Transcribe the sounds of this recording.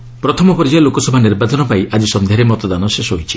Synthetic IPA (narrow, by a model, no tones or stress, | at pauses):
pɾɔt̪ʰɔmɔpɔɾid͡ʒajɔlokɔsɔbʱaniɾbad͡ʒɔnɔpaiʔad͡ʒisɔnd̪ʱeaɾemɔt̪ɔd̪anɔʃesɔɦojt͡ʃʰi